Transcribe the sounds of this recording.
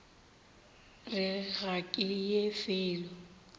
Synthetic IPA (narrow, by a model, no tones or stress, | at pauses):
rɪɣakʼɪjefɪːlɔ